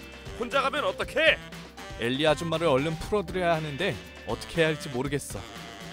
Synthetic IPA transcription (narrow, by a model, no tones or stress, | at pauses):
hond͡ʑaɡamjʌnʌt͈ʌkʰe | e̞ʎːiad͡ʑumːaɾɯɾʌʎːɯnpʰuɾʌdɯɾjʌjaɦanɯnde̞ | ʌt͈ʌ̥kʰe̞ɦaɭt͡ɕ͈imoɾɯɡe̞s͈ʌ̰